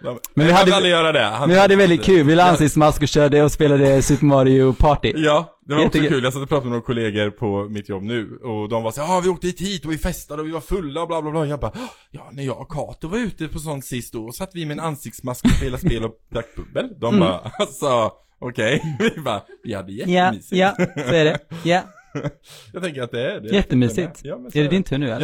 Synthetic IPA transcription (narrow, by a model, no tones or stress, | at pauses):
mɛnvɪhad̪ːalːajœːɾad̪ɛhaɛɪhad̪ːəvɛld̪ɪt̪̚kʰʉ̟ːlvɪlaansɪkt̪smaskɔɕœːɖəɔspeːlad̪əsʉpəmɑːɾɪʊpʰɑːʈɪjɑː | d̪ɛvaɛɔksɔʉːljasat̪ːəpʰɾɑːt̪amɛmɔnakʰʊleːɡəɾpʰɔmɪt̪ʰjɔbːnʉ̟ːɔd̪ɔmvasaːɾɑvɪoːk̚t̪əhiːt̪hiːt̪ɔvɪfɛst̪ad̪əɔvɪvaɾfɵlːaɔblaːblaːblɑːjɑːbɑjɑːnæɾjɑːɡkʰɑ̰ːt̪ʊvaɾʉ̟ːt̪əpʰɔs̬ɔnt̪sɪst̪d̪ɔsat̪ːvɪmɛːnansɪk̚t̪smaskɔspeːlasppeːlɔp̚d̪akːbɵbːəld̪ɔmbɑ̰ːsɔ | ʔɔkʰɛjvɪbɑ̰vɪha̰d̪ːəjɛtjamiːsɪjɑsɔæɖɛja | jɑɡt̪ʰɛŋk̬əɾat̪̚d̪ɛæɖɛjɛt̪ːəmyːsɪt̪jɑːɛæɖɛd̪ɪnt̪ʰʉnʊɛ